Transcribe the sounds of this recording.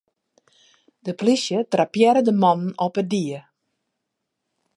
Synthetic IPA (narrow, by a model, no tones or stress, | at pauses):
d̥əplisjətrapjɛɾədəmɔnn̩ɔpədiə